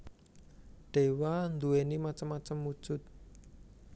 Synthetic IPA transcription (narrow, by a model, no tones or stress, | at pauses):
ɖ̥e̤wand̪uwenimat͡ʃəmːat͡ʃəmːud̥ʒ̥ʊt̪̚